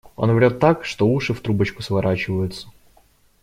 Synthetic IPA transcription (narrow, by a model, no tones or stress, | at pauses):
o̰nvʲɾʲot̪ːakʂt̪ouʂɨft̪ɾubət͡ɕkʊsvɐɾʔat͡ɕɪvəjʊt̪sə̥